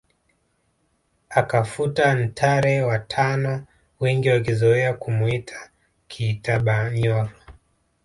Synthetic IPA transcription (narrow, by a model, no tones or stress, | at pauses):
akafutan̩tʰaɾɛwatʰanɔ | wɛŋɡiwakizɔɛakumuitʰḁ | kʰiːtaɓaɲɔɾɔ